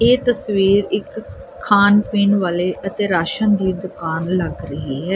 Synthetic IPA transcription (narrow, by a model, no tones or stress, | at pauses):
eːt̪əsʋiːɾɪkʰː | aːnpiːɳʋaːleːʔət̪eːɾaːʃənd̪iːd̪ʊkaːnləɡɾəɦiːɦɛː